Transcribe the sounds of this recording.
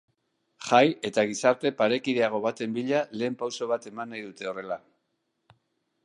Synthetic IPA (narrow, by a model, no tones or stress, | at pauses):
χaje̞t̪aɣ̞isaɾt̪e̞paɾe̞kiðe̞aɣ̞o̞β̞at̪e̞mbiʎale̞ːmpawso̞β̞at̪e̞manːajðut̪e̞o̞re̞la